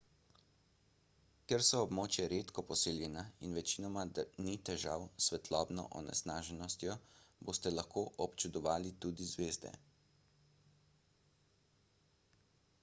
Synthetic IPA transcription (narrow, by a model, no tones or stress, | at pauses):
kɛɾsɔːbmoːt͡ʃjɛɾet̪kɔpɔseljɛnainʋɛt͡ʃinɔmad̪anit̪ɛʒa̰wsʋɛt̪ʰlɔːbnɔ̰ʔɔ̰nɛ̰snaːʒɛnɔst̪jɔboːst̪ɛlaxkoːʔɔpt͡ʃud̪ɔʋaːlit̪uːd̪izʋeːzd̪ɛ̰